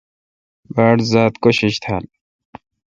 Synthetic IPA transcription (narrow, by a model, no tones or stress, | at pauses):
baːɽzaːt̪koɕiɕt̪ʰaːl